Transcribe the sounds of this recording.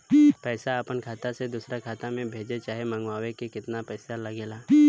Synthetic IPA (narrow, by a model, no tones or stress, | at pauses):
pɛːsaəpənkʰaːt̪ased̪usɾakʰaːt̪amẽbʱeːd͡ʒet͡ʃaːɦemə̃ŋɡwaːwekekɪt̪napɛːsalɐɡeːlaː